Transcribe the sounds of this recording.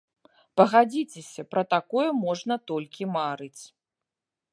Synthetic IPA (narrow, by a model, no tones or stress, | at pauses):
pɐɣad͡zʲit͡sʲesʲɐpɾɐt̪akɔjɐmɔʐnɐt̪ɔlʲkʲimaɾɨt͡sʲ